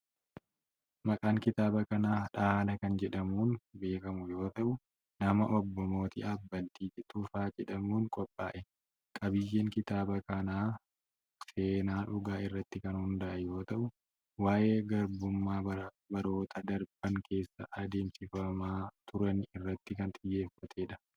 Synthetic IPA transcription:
mɐkʼaːŋkɪt̪aːbɐkɐnaːᶑaːlɐkɐnd͡ʒɛᶑɐmuːnbe̞ːkɐmʊjo̞ːt̪ɐʔʊ | nɐmɐʔɔbːɔmo̞ːt̪ɪ̰ʔafbɐlt̪iːd͡ʒɛt̪ufaːd͡ʒɛᶑɐmuːŋkʼɔpʼːaːʔɛ | kʼɐbɪjːeːŋkɪt̪aːbɐkɐnaː | se̞ːnaːᶑʊɡaːɪrːɐt̪ːɪkɐnhʊnd̪ɐʔɐjo̞ːt̪ɐʔʊ | waːʔe̞ːɡɐɾbʊmːaːbɐ | bɐɾo̞ːt̪ʰɐd̪ɐɾb̥ɐŋkʰe̞ːsːɐ̰ʔɐd̪e̞ːmsɪfɐmaːt̪ʰʊɾɐnɪrːɐt̪ːɪkɐnt̪ʼɪjːe̞ːfːɐt̪ʰe̞ːᶑɐ̥

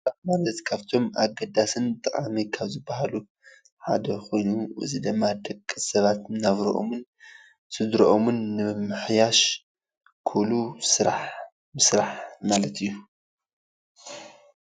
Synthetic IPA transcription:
sɾaħmalɐt̪kʰaβt̪ʰo̞ma̰ɡɐd̪asɨnt̪ʼɨkʼamikʰaβzɨbːaɦalu | ħa̰d̪ɐxo̞jnuʔɨ̰zid̪ɨmːad̪ɐkʼːisɐβat̪naβɾɐ̰ʔo̰mɨn | sɨd̪ɾɐʔomunːɨmɨmːɨħjaʃ | kʰɨβlusɨɾaħ | mɨsɾaħmalɐt̪ɨjːu

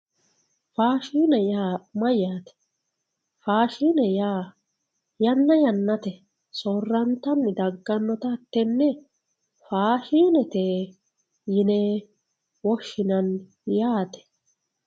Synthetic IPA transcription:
faːʃiːnɛjaːmɐjːaːt̪ɛ̥ | faːʃiːnɛjaː | jɐnːɐjɐnːɐt̪ɛ | soːrːɐnt̪ɐnːɪd̪ɐɡːɐnːɔt̪ɐːt̪ːɛnːɛ | faːʃiːnɛt̪eː | jɪneː | wɔʃːɪnɐn | jaːt̪ɛ̥

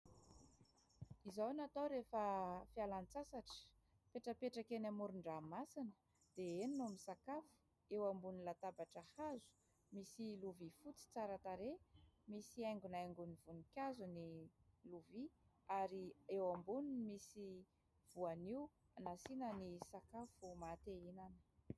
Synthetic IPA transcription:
izawnat̪awɾefəfialanit͡sasaʈ͡ʂə̥ | peʈ͡ʂəpeʈ͡ʂakenamuɾuɳɖ͡ʐamasinə | d̪̥eeninamisakafu̥ | ewambunilat̪abaʈ͡ʂahazu̥ | misiluvifut͡si̥t͡saɾət̪aɾemisiajŋɡunajŋɡunivunikʲazuniluviaɾiewambuninmisi | v̥uaniw | anasinənisakafumat̪einanə̥

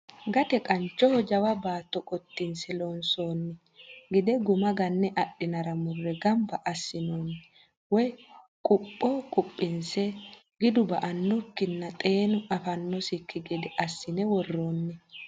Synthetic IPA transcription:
ɡɐt̪ɛkʼɐnt͡ʃːɔhɔd͡ʒɐwɐbaːt̪ːɔkʼɔt̪ːɪnsɛloːnso̞ːnːɪ | ɡɛd̪ɛɡʊmɐɡɐnːɛʔɐɗːɪnɐɾɐmʊrːɛɡɐmbɐʔɐsːɪnoːnːɪ | wɔj | kʼʊpʼːɔkʼʊpʼːɪnsɛ | ɡɪd̪ʊbɐʔɐnːɔkːɪnːɐt̪ʼeːnʊɐfɐnːɔsɪkːɪɡɛd̪ɛʔɐsːɪnɛwɔrːoːnːɛ

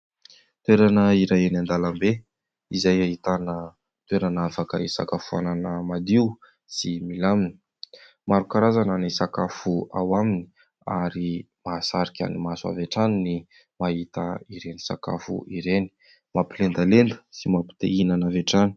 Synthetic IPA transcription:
t̪weɾanəiɾaenand̪alambe | izajaɦit̪anə | t̪weɾanafakəisa̰kafua̰nanəmad̪iu | similamini̥ | maɾukaɾazanənisakafuawamini̥ | a̰ɾi | maːsaɾikʲa̰nimasua̰veʈ͡ʂanini | maɦit̪əiɾenisaka̰fṵiɾeni̥ | mapilend̪alend̪ə̥simapi̥t̪einanaveʈ͡ʂani̥

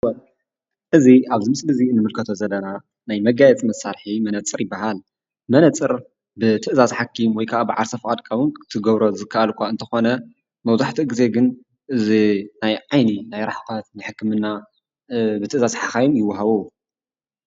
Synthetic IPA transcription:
ʔɨziʔaβzɨmɨsʼlɨziɨnːɨmɨlkʰɐt̪ʰo̞zɐlːɐna | najmɐɡajɛt͡sʼmɐsaɾħimɐnɐt͡sʼːɨɾjɪbːaɦal | mɐnɐt͡sʼɨɾ | bɨt̪ʰɨʔɨzazħakʰːimwɔjkʰaʔabɨʕaɾsɐfkʼad̪kʼawɨnɨ̥t̪ʰɨɡɐβɾo̞zɨkʰːaʔɐlkʷaɨnt̪ʰɐxo̞nɐ | mɐwzaħt̪ʰiɡɨze̞ɡɨn | ʔɨzinajʕajninajɾaħkɐt̪nɨjħɨkːɨmɨnːa | bɨt̪ʰɨʔzazħakajumjɪwːaɦaβu

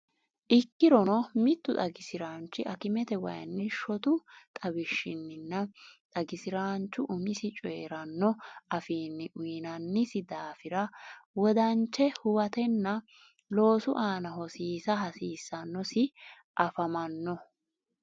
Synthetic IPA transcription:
ʔɪkːɪɾɔnɔmɪt̪ːʊt̪ʼɐɡɪsɪɾaːnt͡ʃːɪʔɐkɪmɛt̪ɛwɐ̰jɐ̰nːɪʃɔt̪ʊt̪ʼɐbɪʃːɪnːɪnːɐt̪ʼɐɡɪsɪɾaːnt͡ʃːʊʔʊmɪsɪt͡ʃʼɔːɾɐnːɔɐfiːnːɪʔʊjnɐnːɪsɪd̪aːfɪɾɐwɔd̪ɐnt͡ʃːɛhʊwɐt̪ɛnːɐ | lo̞ːsʊʔaːnɐɦɔsiːsɐhɐsiːsːɐnːɔsɪ | ʔɐfɐmɐnːɔ

